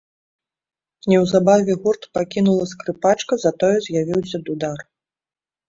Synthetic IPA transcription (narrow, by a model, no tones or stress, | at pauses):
nʲɛwzabavʲɛɣurt̪pakʲinulˠɐskɾɨpat͡ʂkɐzat̪ɔjɛzʲjavʲiwsʲɐd̪ud̪ar